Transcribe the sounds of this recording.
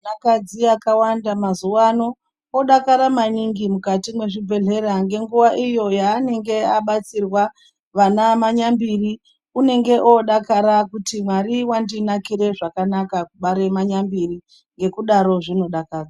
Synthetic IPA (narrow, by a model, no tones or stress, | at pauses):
nakad͡ziakawandamazuwano̞ | oɗakaɾamaniŋɡimukatimwe̞ʐibʱe̞ɮe̞ɾaŋɡe̞ŋɡuʋaʔijo̞jaːne̞ŋɡe̞aɓat͡sirwa | ʋanamaɲambiri | une̞ŋɡe̞ʔoɗakaɾakutimwaɾiwandinakiɾe̞ʐakanakakuɓaɾe̞maɲambiri | ŋɡe̞kuɗaɾo̞ʐino̞ɗakaːra